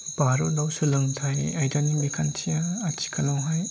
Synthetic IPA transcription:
baɾɔdawsulɯŋtʰajajdanibikʰant͡ʃʰijaːt͡ʃi̥kʰalawɦaj

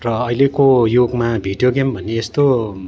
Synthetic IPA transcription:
rʌʌjlekojoɡmabʱiɖijoɡembʱʌnːeːst̪o

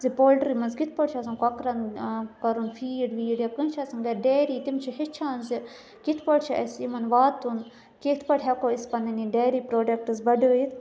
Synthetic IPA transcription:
zipoːlɖɾimɐnzɡit̪ʰpɐʈt͡ʃʰɐsɐnkokɾɐnkɐɾunfiːɖʋiːɖjakənt͡ʃʰɐsɐŋɡɐɖeːɾiːt̪imt͡ʃʰiɦit͡ʃʰaːnzi | ɡit̪ʰpəɽt͡ʃʰiʔɐ̰simɐnʋaːt̪ːun | keːt̪ʰpɐʈʰɦɐkoːispɐniniɖeːɾiːpɾoːɖɐk̚ʈɨzbɐɖəːit̪ʰ

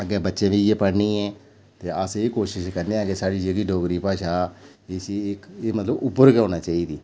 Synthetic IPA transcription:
əɡɛːbətːʃẽːʋid͡ʒeːpəɽniːɛ̃ː | t̪eːəsiːkoːʃɪʃkəɾneãːkesaːɽiːd͡ʒəɡiːɖʱoːkɾiːpaːʃaː | ɪsiɪkːmət̪ləbʊpːəɾkoːnaːt͡ʃaːiːd̪iː

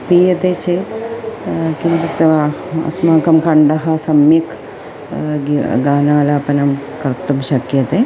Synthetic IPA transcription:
piːjɐt̪et͡ʃeːt̪ | kind͡ʒit̪ɐ̰smaːkɐmkɐɳɖɐɦɐ̆sɐmjɐk | ɡaːnaːlaːpɐnɐmkɐɾt̪ɐmʃɐkjɐt̪e

